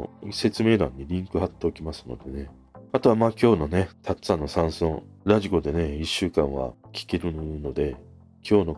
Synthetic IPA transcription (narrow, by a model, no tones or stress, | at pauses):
se̞t͡sɨme̞ːd̪ãɲ̟ːiɾʲĩŋkɯ̟ɦat̪ːe̞okʲimasɨno̞̰d̪e̞ne̞ | at̪o̞βamaːkʲo̞ːno̞ne̞t̪ʰatsanːo̞sãɰ̃sõɾaʑiɡo̞d̪e̞ne̞iɕːɨːkãɰ̃βa̰kʲi̥ke̞ɾɯ̟no̞d̪e̞ | kʲo̞ːno̞